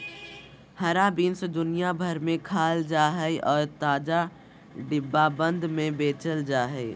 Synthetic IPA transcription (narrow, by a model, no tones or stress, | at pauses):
həɾaːbiːnsed̪ʊnijabʱəɾmẽkʰaːld͡ʒaːɦɛeʔɔːɾt̪aːd͡ʒa | ɖɪbːabə̃nd̪ʱmẽbeːt͡ʃəld͡ʒaːɦɛe